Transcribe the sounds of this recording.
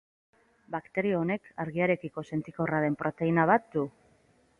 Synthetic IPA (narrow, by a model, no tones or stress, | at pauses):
bakt̪e̞ɾioːne̞kʰaɾɣiaɾe̞kiko̞se̞nt͡s̪iko̞raðe̞mpɾʔo̞t̪e̞inaβ̞at̪̚d̪u